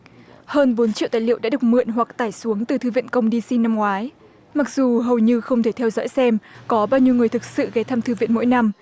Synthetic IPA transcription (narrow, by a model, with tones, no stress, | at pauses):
həː˧nɓo˨˦nt͡ɕḭ˧˨wt̪aː˧˩jlḭ˧˨wɗa̰ː˧˥ɨ˨˩ək̚mɨ̰˧˨ənɦwa˨˩k̚t̪aː˧˩jsu˨˦əŋt̪ɨ˨˩t̪ʰɨ˧˩vḭ˧˨nkə˧wŋ͡mɗi˧si˧nːa˧mŋwaː˨˦j | ma˨˩k̚z̥u˨˩ɦə˨˩wɲɨ˧xə˧wŋ͡mt̪ʰe˧˩t̪ʰɛ˧wzɔ̰˧˥jsɛ˧mkɔ˨˦ɓaː˧wɲi˧əwŋɨ˨˩əjt̪ɨ˨˩k̚sɨ̰˧˨ɣɛ˨˦t̪ʰaː˧mt̪ʰɨ˧˩vḭ˧˨nmo̰˧˥jna˧m